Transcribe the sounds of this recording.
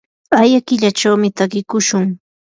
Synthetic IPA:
ajakɪʎat͡ʃawmɪt̪akɪkʊʃʊŋ

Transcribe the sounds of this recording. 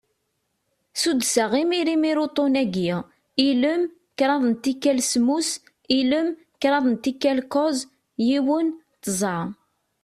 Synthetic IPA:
sud̪saʁimiɾimiɾut̪ˤonæɡi | iləm | kɾˤɑðˤənt̪ikːælsmus | iləm | kɾˤɑðˤnt̪ikːælkɔz | jiwən | t̪əzˤə

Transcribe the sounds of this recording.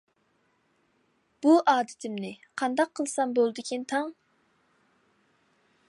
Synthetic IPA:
b̥uʔɑːd̪ɪt̪ʰɪmnɪqʰɑnd̪ɑqʰːəlˠsɑmbolˠɨd̪ɨkʲʰint̪ʰɑŋ

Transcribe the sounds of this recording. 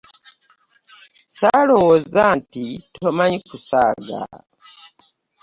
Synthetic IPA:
salowozantitʰomaɲikusa̰ːɡa̰

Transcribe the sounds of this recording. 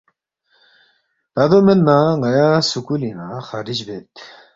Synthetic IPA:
d̪ad̪omelnaŋajasukulinaxaːɾid͡ʑbet̪

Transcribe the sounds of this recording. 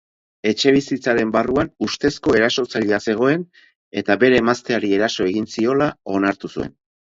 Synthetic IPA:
e̞t͡ʃe̞β̞isit͡saɾe̞mbaruanust̪e̞sko̞e̞ɾaso̞t͡saʎiase̞ɣ̞o̞e̞n | e̞t̪abe̞ɾe̞ːmast̪eaɾie̞ɾaso̞e̞ɣinsio̞lao̞naɾt̪usue̞̰n

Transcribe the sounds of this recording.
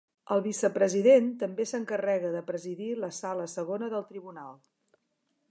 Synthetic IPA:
əlˠβisəpɾəziðent̪əmbesəŋkərɛɣəðəpɾəziðiləsaləsəɣ̞onəðəlˠt̪ɾiβunalˠ

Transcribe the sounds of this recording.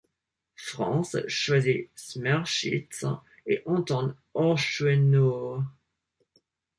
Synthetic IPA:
fχɑ̰̃sʃwazismaʁʃḭt̪ | eʔɑ̃t̪ɑ̃d̪ | ɔʃwɛno

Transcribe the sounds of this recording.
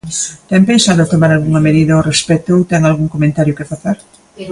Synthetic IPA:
t̪ɛmpensaðʊɐt̪omaɾalɣuŋɐmeðiðɐorespɛt̪owt̪ɛŋalɣuŋkomẽnt̪aɾjʊkɪfaθeɾ

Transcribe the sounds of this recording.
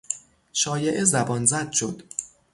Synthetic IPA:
ʃɒːje̞ʔezæbɒːnzæd̪̥̚ʃo̞d̪̥

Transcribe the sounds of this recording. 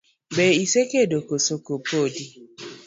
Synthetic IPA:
beisekedokosokopodi

